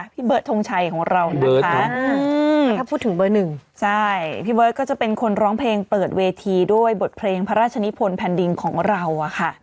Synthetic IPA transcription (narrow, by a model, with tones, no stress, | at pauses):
pʰiː˥˩bɤː˦˥t̪ʰːo˧ŋt͡ɕʰa˧jkʰɔː˩˦ŋɾa˧wʰa˦˥ɯː˧a˥˩uː˥˩t̪ʰːɯ˩˦ŋbɤː˧nɯ˨˩ŋt͡ɕʰa˥˩jpʰiː˥˩bɤː˦˥t̪̚kːɔː˥˩t͡ɕa˨˩pe˧nkʰo˧nɾɔː˦˥ŋpʰleː˧ŋpɤː˨˩t̪̚weː˧t̪ʰiː˧du˥˩əjbo˨˩t̪̚pʰleː˧ŋpʰa˦˥ɾaː˥˩t͡ɕʰa˧ni˦˥pʰo˧npʰɛː˧ndi˧ŋkʰɔː˩˦ŋɾa˧wa˨˩kʰa˥˩